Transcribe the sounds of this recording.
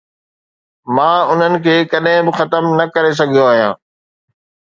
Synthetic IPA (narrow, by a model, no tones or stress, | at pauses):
mãːʊn̤ənɪ̆kʰeːkɐɗɦɪ̃bɪxɐt̪əmnɐkɐɾes̬ɐɡʱijoaːɦijãː